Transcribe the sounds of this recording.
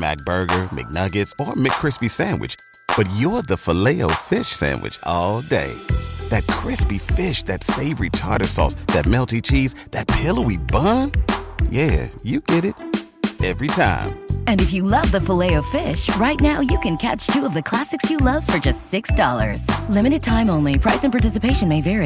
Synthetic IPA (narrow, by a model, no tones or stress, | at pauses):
mæ̰k̚b̥ɜ˞ɡə˞mɪ̰k̚nʌɡɨtsə˞mɪkʰɹ̥ɪspisæ̃nwɨ̰t͡ʃ | b̥ʌt͡ʃjə˞ðəfəleɪo̰ʊfɪʃsæ̰̃nwɨ̰t͡ʃʔɔlˠdḛɪðɨt̚kʰɹ̥ɪspifɪʃðɨtseɪvəɹitʰɑ̰ɹɾə˞sɔ̰sðɨt̚mɛlˠtit͡ʃʰiz | ðɨt̚pʰɪlˠəibʌ̃njæjɨɡɛɾɪɾ̚ | ɛvɹitʰã̰ɪ̃mɨ̃nɨfjɨlʌvðəfəleɪoʊfɪʃɹaɪtⁿnaʊjɨkɨ̃nkʰæ̰t͡ʃtʰʉʌvðɨkʰl̥æsɨksjɨlʌv̥fə˞d͡ʒʌstsɪksd̥ɔlˠə̰˞z̥lɪ̃mɨɾɨd̚tʰãɪ̃mõʊ̃nlipʰɹ̥aɪzɨ̃npʰɑɹtɪsɨpeɪʃɨ̃nmeɪvɛɹi